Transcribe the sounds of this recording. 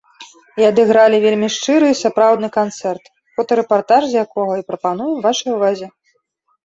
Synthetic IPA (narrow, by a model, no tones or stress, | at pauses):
iɐd̪ɨɣɾalʲivʲelʲmʲiʂt͡ʂɨɾɨːsapɾawd̪nɨkant̪sɛrt̪ | fɔt̪ɐɾɛpart̪aʐzʲjakɔɣɐipɾɐpan̪ujɛmvaʂɐjuvazʲɛ